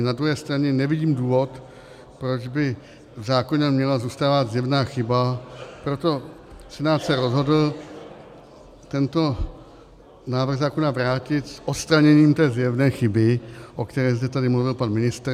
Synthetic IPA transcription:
nad̪ɾuɦɛːst̪ɾaɲɛnɛvɪɟiːmduːvo̞t̪ | pɾo̞d͡ʒbɪ | vzaːkoɲɛmɲɛlazuːst̪aːvad̪zjɛvnaːxɪbapɾo̞t̪o̞ | sɛnaːt̪sɛɾo̞zɦo̞dl̩ | t̪ɛnt̪o̞ | naːvrɣzaːko̞navɾaːcɪt̪sʔot̪st̪ɾaɲɛɲiːmt̪ɛːzjɛvnɛːxɪbɪʔo̞kt̪ɛɾɛːzd̪ɛt̪adɪmluvɪlpanmɪnɪst̪ɾ

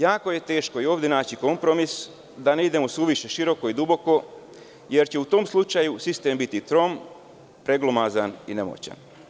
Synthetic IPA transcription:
jaːko̞je̞t̪e̞ːʃkojeo̞ːʋd̪je̞naːt͡ɕiko̞mpɾo̞mis | d̪ane̞id̪e̞mo̞suʋiʃe̞ʃiɾo̞ko̞id̪ubo̞ko̞ | je̞ɾt͡ɕeut̪o̞ːmslˠut͡ʃajusist̪e̞mbit̪it̪ɾo̞m | pɾe̞ɡlomazaninemo̰t͡ɕa̰n

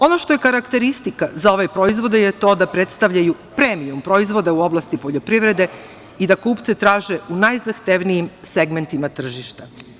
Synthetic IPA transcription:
o̞no̞ʃt̪o̞je̞kaɾakt̪e̞ɾist̪ikazao̞ʋepɾo̞izʋo̞d̪ejet̪o̞ːd̪apɾet̪st̪aʋʎaju | pɾeːmiumpɾo̞izʋo̞d̪auo̞blˠast̪ipo̞ʎo̞pɾiʋɾe̞d̪e̞ | id̪akuːpt̪se̞t̪ɾaːʒe̞unajzaxt̪e̞ʋnijimseɡment̪imat̪r̩ʒiʃt̪a

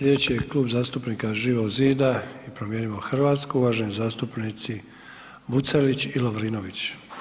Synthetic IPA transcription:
slʲʎʲe̞d̪et͡ɕijekluːbzaːst̪upniːkaʒiːʋoziːd̪aipɾomjeːniʋoxr̩ʋaːt̪skuuʋaːʒenizaːst̪upnit̪si | but̪selit͡ɕiloʋɾiːnoʋit͡ɕ

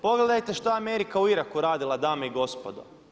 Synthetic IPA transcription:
po̞ɡled̪ajt̪eʃt̪oeameɾikauiɾakuɾaːd̪ilˠad̪aːmoiɡo̞spod̪o̰

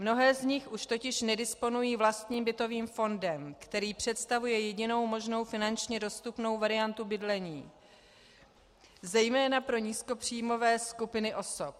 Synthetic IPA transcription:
mno̞ɦɛːzɲɪxʔuʃt̪o̞cɪʃnɛdɪspo̞nujiːvlast̪ɲiːmbɪt̪o̞viːmfo̞ndɛmkt̪ɛɾiːpr̝̥ɛt̪st̪avujɛjɛɟɪno̞wmo̞ʒno̞wfɪnant͡ʃɲɛdo̞st̪upno̞wvaɾɪant̪ubɪdlɛɲiː | zɛjmɛːnapɾo̞ɲiːsko̞pr̥iːjmo̞vɛːskupɪnɪʔo̞sop̚

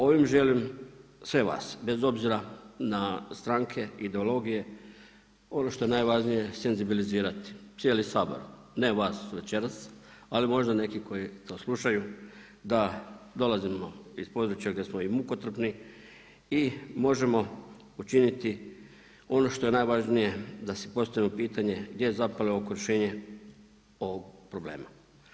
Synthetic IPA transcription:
o̞ʋimʒe̞limsʋe̞ʋa̰ːsbe̞zo̞bziɾanast̪ɾaːŋkʰe̞id̪e̞o̞lo̞ɡije̞ | o̞no̞ʃt̪o̞je̞naːjʋaʒnije̞se̞nzibiliziːɾat̪i̥sjeːlisaːbo̞̰ɾ | ne̞ʋaːsʋe̞t͡ɕe̞ɾas | alimo̞ʒd̪ane̞kiko̞jit̪o̞ːslˠuʃaju | d̪ad̪o̞lazimo̞ispo̞ːd̪ɾut͡ʃjaɡd̪ʲjesmoimuko̞t̪r̩pni | imo̞ʒe̞mo̞ | ut͡ʃinit̪i | o̞no̞ʃt̪o̞je̞najʋaʒnije̞d̪asi̥po̞st̪aʋimopiːt̪aɲe̞ɡd̪je̞jezapaleoakoɾeʃe̞ːɲe̞ | o̞ʋoɡpɾo̞ble̞̰ːma

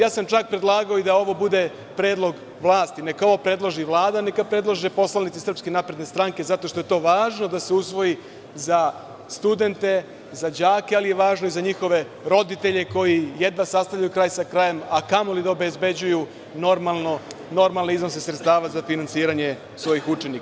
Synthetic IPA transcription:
jaːsamt͡ʃak̚pɾed̪lˠaːɡaoid̪ao̞ʋo̞bud̪e̞ | pɾeːd̪lˠo̞ɡ | ʋlˠaːst̪ine̞kao̞ʋopɾe̞d̪lˠoʒiʋlˠaːd̪ane̞kapɾe̞d̪lˠoʒepo̞slˠalnit̪sesrpskenaːpɾed̪nest̪ɾaŋke̞zat̪o̞ʃt̪o̞jet̪o̞ːʋaːʒno̞d̪aseusʋo̞ji | za | st̪ud̪e̞nt̪e̞ | zad͡ʑaːkealijeʋaːʒnoizaɲixo̞ʋe̞ | ɾo̞d̪it̪e̞ʎe̞ko̞jije̞d̪ʋasast̪avʎajukɾaːjsakɾaːje̞makamolid̪aobezbe̞d͡ʑuju | noɾmalnono̞ɾmalneizno̞sesɾet̪st̪aːʋazafinant̪siːɾaɲe̞ | sʋo̞jixut͡ʃe̞nikaa

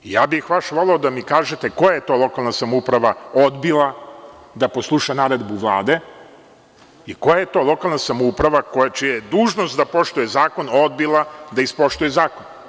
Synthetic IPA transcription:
ijaːbixʋaʃʋo̞leod̪amikaːʒet̪e̞kojajet̪o̞ːlˠo̞kalˠnasamoupɾaʋaod̪bilˠad̪aposlˠuʃanaːɾed̪buʋlˠa̰ːd̪e̞ | iko̞jaje̞t̪o̞ːlˠo̞kalˠnasamoupɾaʋakojat͡ʃijajed̪uːʒno̞st̪d̪apo̞ʃt̪ujezaːko̞no̞d̪bilˠad̪aispo̞ʃt̪ujezaːkon

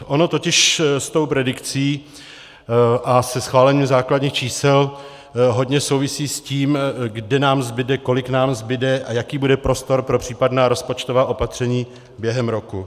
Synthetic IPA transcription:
ʔo̞no̞t̪o̞cɪʃst̪o̞wpɾɛdɪkt͡siː | ʔasɛsxvaːlɛɲimzaːkladɲiːxt͡ʃiːsɛl | ɦo̞dɲɛso̞wvɪsiːsciːmɡdɛnaːmzbɪdɛko̞lɪknaːmzbɪdɛʔajakiːbudɛpɾo̞st̪o̞ɾpɾo̞pr̝̥iːpadnaːɾo̞spo̞t͡ʃt̪ovaːʔo̞pat̪r̝̥ɛɲiː | bjɛɦɛmɾo̞ku

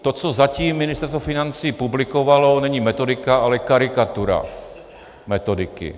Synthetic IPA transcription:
t̪o̞t͡so̞zaciːmːɪnɪst̪ɛɾst̪vofɪnant͡siːpublɪkovalonɛɲimɛt̪o̞dɪkaʔalɛkaɾɪkat̪uɾa̰ | mɛt̪o̞dɪkɪ̰

